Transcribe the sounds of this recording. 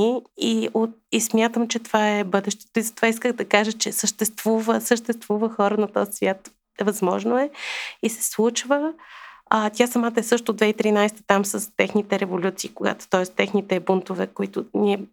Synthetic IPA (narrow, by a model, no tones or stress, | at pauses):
iiot̪ismʲjat̪əmt͡ʃɛt̪ovaɛbɤd̪ɛʃt̪ɛ̥t̪ɔizəɐt̪ovaiskəɣd̪ɐkaʒət͡ʃɛsəʃt̪ɛst̪vuvəsəʃt̪ɛst̪vuvəxɔɾənɐt̪ɔzsvʲjat̪ | ɛvɐzmɔʒnoɛisɛ̥slˠut͡ʃvə | t̪ʲasɐmat̪əɛsɤʃt̪ʊd̪vɛit̪ɾinajst̪ə̥t̪amsəst̪ɛxnit̪ɛɾɛvolʲut̪siːkoɡa̰t̪ʊ̥t̪ɔɛst̪ɛxnit̪ɛbunt̪ʊvɛkoit̪ʊnʲiɛ